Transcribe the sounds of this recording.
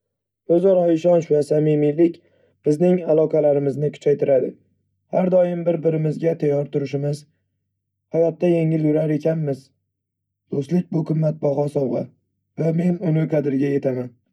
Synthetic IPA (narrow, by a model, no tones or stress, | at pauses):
ɵzɒɾɒɪʃɒnʃvasamɪmɪlɪkʲ | b̥ɪznɪŋalˠɒqʰɑlaɾɪmɪznɪkʰʊ̥t͡ʃʰajt̪ʰɪɾad̪ɪ̰ | haɾd̪ɒjɪmbɪɾbɪɾɪmɪzɡʲat̪ʰajːɒɾt̪ʰʊɾɪʃɪmɪz | havat̪ːaje̞ŋɪlɡɪɾaɾe̞kʲʰanmɪz | d̪̥ost̪lɪk̚ʲbʊqʰɨmːat̪̚bɒɦɒsɒwʁɑ | vame̞nʊnɪqʰɑd̪ɪɾɡʲaje̞t̪ʰaman